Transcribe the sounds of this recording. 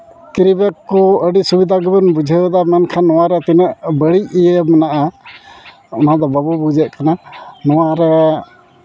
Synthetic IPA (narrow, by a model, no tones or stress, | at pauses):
kiɾibɛkːɔəɖisubid̪ʱaɡəbənbud͡ʒʱəd̪amankʰanːɔwaɾɛt̪inəʔbəɽic̚ijəmɛnaʔa | ɔnad̪ɔbabubud͡ʒɛʔ̪̚kananɔwaɾɛ